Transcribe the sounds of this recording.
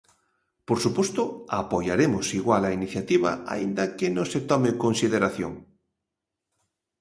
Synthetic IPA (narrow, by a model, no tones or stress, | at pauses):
poɾsupost̪ʊapojaɾemʊsiɣwalainiθjat̪iβɐa̰a̰ind̪ɐkenõŋset̪ɔmɪkõnsiðeɾaθjo̰ŋ